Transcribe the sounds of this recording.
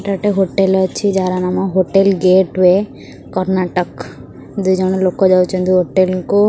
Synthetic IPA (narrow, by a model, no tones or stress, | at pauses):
ʈaʈeɦoʈelɔt͡ʃʰid͡ʒaɾanamɔɦoʈelɡeʈwe | kɔɾnaʈɔk | d̪ujd͡ʒɔɽ̃ɔlokɔd͡ʒawt͡ʃʰɔnd̪ujɦoʈelku